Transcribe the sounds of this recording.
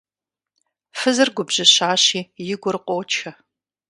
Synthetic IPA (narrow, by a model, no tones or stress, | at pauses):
fɨzɨrɡʷʊbʑɪɕaːɕiːjɪɡʷʊrɨqʷʼot͡ʃʰɐ